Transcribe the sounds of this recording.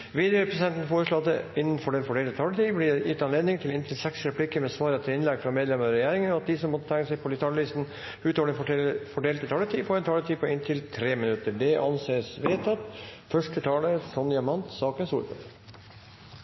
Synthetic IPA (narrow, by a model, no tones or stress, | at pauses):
ʋiːd̪əɾɛpʰɾɛsd̪ɛnt̪n̩foːɾəʂɭoɑt̪d̪əɪnːn̩fɔɖɛnfɔɖeːlt̪ət̪ʰɑːlət̪ʰiːblijɪt̪ɑnleːd̪nɪŋt̪ʰɪlɪnt̪ʰɪlsɛksɾɛpʰlikəɾmɛsʋɑːɾət̪ʰɪlɪnlɛɡfɾɑmeːd̪lɛməɾɑɾɛjæːɾɪŋənɔɑt̪̚d̪ɪsɔmːɔt̪ːət̪ʰɛŋːkːəsɛɪpʰɔlɪt̪ʰɑːlliːst̪n̩ | ʉːt̪oɔʋɖɛfɔɖeːlt̪ət̪ʰɑːlət̪ʰiːpʰɔɛnt̪ʰɑːlət̪ʰiːpʰɔɪnt̪ʰɪlt̪ʰɾeːmɪnʉt̪əɖɛʔɑnseːsʋeːt̪ɑt̪fœʂʈət̪ʰɑːləsɔnd̪jɑmɑnt̪sɑːkənsṵːɾpʰə̰t̪